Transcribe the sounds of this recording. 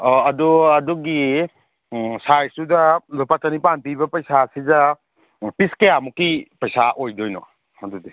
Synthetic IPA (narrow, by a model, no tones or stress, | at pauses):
ɔɐduɐduɡi | sajsudɐlopatɐnipanpibɐpɐjsasizɐ | piskejamukːipɐjsaʔojdojnɔ̰ | ɐdudi